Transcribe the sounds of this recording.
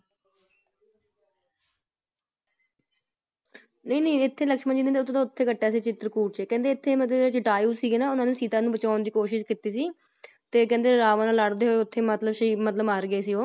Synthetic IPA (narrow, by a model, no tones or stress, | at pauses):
nəĩːnəiːɪt̪ʰːeːləkʃmənd͡ʒiːd̪eːeʊt̪ʰːt̪oʊt̪ʰːeːkəʈːaːsiːt͡ʃɪt̪ɾəkuːʈ̚t͡ʃeːkɛ̃ːnd̪eːɪt̪ʰːeːmət̪ləbeːɾaːt͡ʃɪʈaːjuːsiːɡeːnaːʊnãːnũːsiːt̪aːnũːbət͡ʃaːʊnd̪iːkoːʃɪʃkit̪iːsiː | t̪eːkɛ̃ːnd̪eːɾaːʋãːnaːlaɽd̪eːɦoːeʊt̪ʰːeːmət̪ləbʃəiːmət̪ləbaːɾɡəeːsiːoː